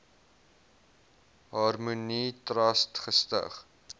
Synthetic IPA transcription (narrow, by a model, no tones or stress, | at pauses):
ɦɐrmunitrɐstχəstə̰χ